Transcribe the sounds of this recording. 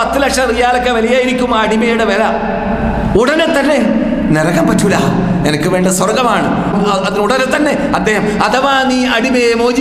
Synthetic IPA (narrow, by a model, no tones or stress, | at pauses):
ɐt̪ːɨlɐkʂɐrijaːlɐkːeʋɐlɐjaːjiɾikʲːumːaːɐɽimejuɽeʋelɐ | uɽɐnet̪ːɐnːe̞ | neɾɐɣɐmpɐtːula | nenɐkːɨʋeːɳɖɐswɐrɡɐmaːɳɨ | ɐɐðinuɽɐnet̪ːɐnːe̞ | ɐd̪ːe̞ːhɐmɐd̪ʱɐʋaːniːɐɽimemo̞ːd͡ʑi